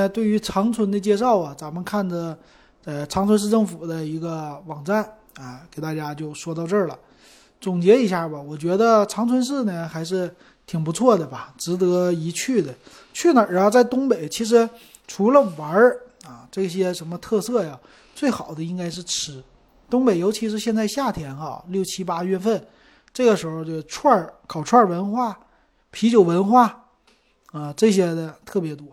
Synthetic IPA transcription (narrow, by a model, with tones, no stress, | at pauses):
t̪we˥˩ɪy˧˥ʈ͡ʂʰɑ˧˥ŋt͡sʰwə˧˥nd̪ə˧t͡ɕjɛ˥˧ʂɑ˥˩ʊɐ˩t͡sa˧˥nmə˧kʰa˥˩nʈ͡ʂə˩ | ə˧ʈ͡ʂʰɑ˧˥ŋt͡sʰə˧˥nʂ̬ɻ̩˥˧ʈ͡ʂɤ˥˩ŋfu˨˩d̪ə˦i˧˥ɡə˧wɑ˨˩ŋʈ͡ʂa˥˩n | ɐ˧ke˨˩ɪt̪a˥˩t͡ɕja˥t͡ɕjo˥˩ʊʂwɔ˥t̪ɑ˥˧ʊʈ͡ʂə˞˥˩lə̰˩ | t͡sʊ˨˩ŋt͡ɕjɛ˧˥i˧˥ɕja˥˩bɐ˩wɔ˨˩t͡ɕɥɛ˧˥d̪ə˧ʈ͡ʂʰɑ˧˥ŋt͡sʰwə˧˥nʂ̬ɻ̩˥˩nə˩xa˧˥ɪʂ̬ɻ̩˥˩ | t̪ʰi˨˩ŋpu˧˥t͡sʰwɔ˥˩d̪ə˩bɐ˩ʈ͡ʂɻ̩˧˥t̪ɤ˧˥i˧˥t͡ɕʰy˥˩d̪ə˩ | t͡ɕʰy˥˩nə˨˩ɻxo˥˧ʊt͡sa˥˩ɪt̪ʊ˥ŋpe˨˩ɪt͡ɕʰi˧˥ʂ̬ɻ̩˧˥ | ʈ͡ʂʰu˧˥lə˧wə˧˥ | a˥˩ʈ͡ʂɤ˥˩i˧˩ɕjɛ˥ʂə˧˥nmə˧t̪ʰɤ˥˧sɤ˥˩ja˩ | t͡swe˥˩ɪxɑ˨˩ʊd̪ə˦i˥ŋka˥ɪʂ̬ɻ̩˥˩ʈ͡ʂʰɻ̩˧˥ | t̪ʊ˥ŋpe˨˩ɪjo˧˥ʊt͡ɕʰi˧˥ʂɻ̩˧ɕjɛ˥˧nt͡sa˥˧ɪɕja˥˩t̪ʰjɛ˧˥nxɐ̰˧ljo˥˩ʊt͡ɕʰi˥pa˥ɥɛ˥˧nfə˥˩n | ʈ͡ʂɤ˥˩ɡə˩ʂɻ̩˧˥xo˧t͡ɕjo˥˧ʈ͡ʂʰwa˥˩kʰɑ˨˩ʊʈ͡ʂʰwa˥˩wə˧˥nxwa˥˩ | pʰi˧˥t͡ɕjo˨˩ʊwə˧˥nxwa˥˩ | a˥˧ʈ͡ʂɤ˥˩ɕjɛ˥d̪ə˧t̪ʰɤ˥˩pjɛ˧˥t̪wɔ˥